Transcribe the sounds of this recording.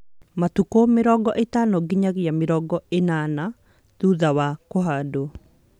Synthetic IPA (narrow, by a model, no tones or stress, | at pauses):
mat̪ukomɪɾɔɡɔʔet̪anɔɡɪɲaɡjamɪɾɔɡɔenana | d̪̥ud̪awakoɦado